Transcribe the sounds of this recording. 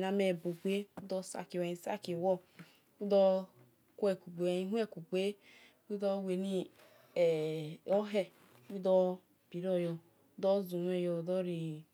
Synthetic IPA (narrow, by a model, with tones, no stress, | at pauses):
na˨me˨bu˨ɡ͡be˦u˦dɔ˧sa̰˨ki˨wɛ˨i˨sa̰˦ki˨wɔ˦ | u˦dɔ˦ | kʷɛ˨ku˨ɡ͡be˨i˦ɦʷɛ˦˨ku˨ɡ͡be˦ | wu˦dɔ˦we˨ni˦ | ɛ˨ɔ˦ɦɛ˦ | wu˦dɔ˦ | bi˨ɾɔ˦jɔ˧ | u˦dɔ˦zu˨n˦ɛ˦˨jɔ˧˨dɔ˦ɾi˨